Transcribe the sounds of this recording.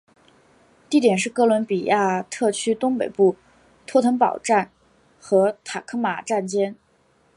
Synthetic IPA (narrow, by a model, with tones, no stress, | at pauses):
t̪i˥˩t̪jɛ˨˩nʂ̬ɻ̩˥˩kɤ˥lwə˧˥npi˨˩ja˥˩t̪ʰɤ˥˩t͡ɕʰy˥t̪ʊ˥ŋpe˨˩ɪpu˥˩ | t̪ʰwɔ˥t̪ʰə˧˥npɑ˨˩ʊʈ͡ʂa˥˩n | xɤ˧˥t̪ʰa˨˩kʰɤ˥ma˨˩ʈ͡ʂa˥˩nt͡ɕjɛ˥n